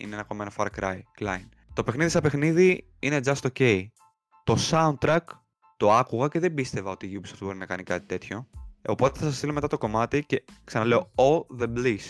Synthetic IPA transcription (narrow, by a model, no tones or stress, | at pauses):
ḭneenɐko̞me̞no̞fɐɾkɾɐjklɐ̰jn | t̪o̞pe̞xniðisɐpe̞xniði | ined͡zɐst̪o̞ce̞i | t̪o̞sɐund̪̚t̪ɾɐk | t̪o̞ɐkuɣɐceðe̞bist̪e̞vɐo̞t̪iʝupso̥ft̪obo̞ɾinɐkɐnikɐt̪i̥t̪e̞t̪ço̞o̞po̞t̪eθɐsɐst̪ilo̞me̞t̪ɐt̪oko̞mɐt̪ice̞ksɐnɐle̞o̞olðeblis